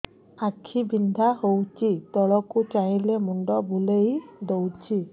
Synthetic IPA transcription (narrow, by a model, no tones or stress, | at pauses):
akʰibind̪ʱahowt͡ʃit̪ɔɭɔkut͡ʃailɛmunɖɔbulejd̪owt͡ʃʰi